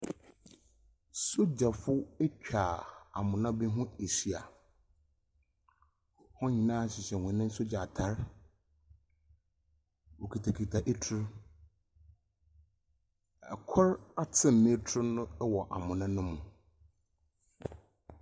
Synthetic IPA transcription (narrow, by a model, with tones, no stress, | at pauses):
so˦d͡ʑa˨fʊ˦e˦t͡ɕᶣʰaː˨a̰˨mʊ̃˨nã˦bi˦ɦʊ̃˦e˨si˨a˨ | hɔ̃˦ɲĩ˨nãː˦˨˦ɕɪ˨ɕɛ˨hʊ̃˨nɪ̃˦n̩˦so˦d͡ʑa˨tʰa˦ɾ | wo˨kʰi˨tʰa˨kʰi˨tʰa˨ʔe˦tʰʊ˦ɾ | ɛ˨kʰɔ˦ɾa˦tʰɪ̃˦mː˨ɪ̃˦tʰɾʊ˦nʊ̃˦wɔ˨ʔa˨mʊ̃˨nã˦nʊ̃˦mʊ̃˨